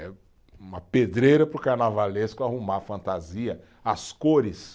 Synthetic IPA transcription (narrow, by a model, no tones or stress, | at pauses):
ɛ | ũmɐped̪ɾejɾɐpɾʊkaɾnavaleskʊahumafɐ̃nt̪aziɐ | askoɾɪs